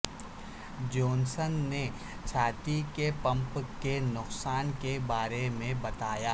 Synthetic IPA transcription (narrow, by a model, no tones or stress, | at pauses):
d͡ʒoːnsənːe | t͡ʃʰaːt̪ikepɐ̃mpkenʊqsaːnkebaːɾemẽbɐt̪aːjaː